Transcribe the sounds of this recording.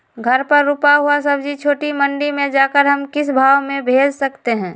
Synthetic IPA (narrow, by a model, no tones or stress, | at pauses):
ɡʱɐɾpəɾːʊpaɦuasɐbd͡ʒʱit͡ʃʰoːʈimə̃ɳɖimẽd͡ʒaːkəɾɦɐmkɪsbʱaːwmẽbʱeːd͡ʒsɐkt̪eɦɛ̃ː